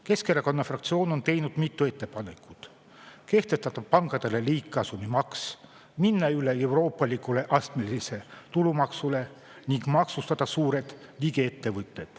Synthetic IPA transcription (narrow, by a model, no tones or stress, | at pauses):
keskeɾɑko̞nːɑfrɑkt̪sio̞ːno̞nt̪e̞jnud̪̥mit̪ːue̞t̪ːe̞pɑne̞kˑu̥t̪ | ke̞ht̪e̞st̪ɑt̪ɑpɑŋkɑd̪̥e̞le̞liːkːɑsumimɑks | minːɑyle̞e̞wɾo̞ːpːˑɑlikule̞ʔɑst̪melise̞t̪ulumɑksule̞ | niŋɡ̥mɑksust̪ɑd̪̥ɑsuːɾe̞d̪̥liɡee̞t̪ːe̞vɯt̪ˑːe̞d̪̥